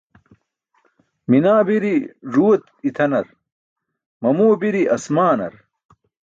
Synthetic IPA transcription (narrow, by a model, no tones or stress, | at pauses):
minaːbiɾiʐuwɐt̪it̪ʰɐnɐɾ | mɐmuːbiɾiʔɐsmaːnɐ̰ɾ